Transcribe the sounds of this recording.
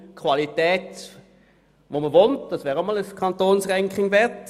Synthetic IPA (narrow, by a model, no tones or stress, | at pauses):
kʰʋɑlitɛːt | ʋoməʋontd̥ɑsʋɛːʁomɔləskʰɑnt̪oːnsʁɛŋkʰχɪŋvɛɐt